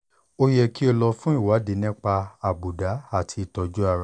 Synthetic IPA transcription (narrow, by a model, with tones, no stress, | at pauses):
o˦jɛ˧ki˦o˧lɔ˧fũ˦i˦˨wa˨˦de˨˦nĩ˦k͡pa˧a˨bu˨da˨˦a˦˨tʰi˧i˧˨tɔ˧d͡ʒu˦a˦˨ɾa˨